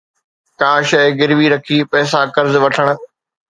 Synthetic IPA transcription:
kaːʃɛ̃ːɡɪɾʋiɾɐkʰiːpɛːs̬akɐɾzʋɐʈʰəɽ̃̆

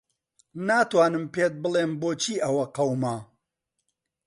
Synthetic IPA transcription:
naːt̪waːnɨmpeːt̪̚bɨlˠeːmboːt͡ʃʰiːʔɐwɐqɐwmɐ

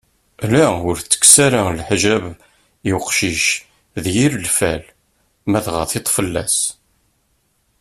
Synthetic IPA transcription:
læʊɾt͡sːə̥ksaɾalħʒæβ | jʊqʃiʃ | ðjiɾəlfæ̰l | mæðʁɑ̰θet̪ˤːfəlːæ̰s

